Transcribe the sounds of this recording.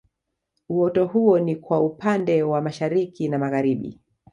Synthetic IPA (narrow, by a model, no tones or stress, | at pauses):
uwɔtɔhuɔnikwaupandɛwamaʃaɾikinamaɣaɾiɓḭ